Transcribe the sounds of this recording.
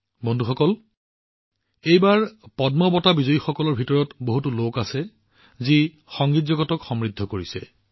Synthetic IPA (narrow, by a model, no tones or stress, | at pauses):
bɔndʱuxɔkɔl | ejbaɹpɔdmɔbɔtabizoixɔkɔlɔɹbʱitɔɹɔtboɦutulokasɛ | zi | xɔŋɡitzɔɡɔtɔkxɔmɹidʱːɔkoɹisɛ